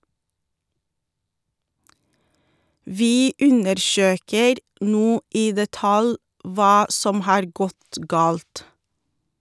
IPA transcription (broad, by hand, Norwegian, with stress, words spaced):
ˈʋiː ˈʉnəɾˌʃøːkəɾ ˈnuː ˈiː dɛˈtɑl ˈʋɑː ˈsɔm ˈhɑːɾ ˈɡɔt ˈɡɑːlt